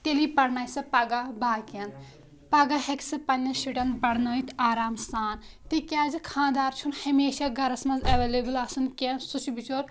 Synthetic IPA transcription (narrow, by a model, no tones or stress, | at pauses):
t̪elipɐɽnaːjsɐpɐɡabaːkɐn | pɐɡaɦeksɨpɐnʲːɐʃiʈɐnbɐɽnoːit̪ʰaːɾaːmsaːnt̪ikʲaːzikʰãːnd̪aːɾt͡ʃʰunhɐmeːʃaɡɐɾɐsmɐzɐʋeːleːbɨlɐsɨnkensut͡ʃibit͡ʃoːɾ